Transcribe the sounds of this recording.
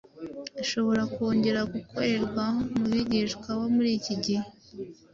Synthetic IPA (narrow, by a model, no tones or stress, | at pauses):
iʃo̞βo̞ɾako̞ːɲɟe̞ɾaɡukʰo̞ɾe̞ɾɡwamuβiɟiʃkwaβomuɾiːciɟi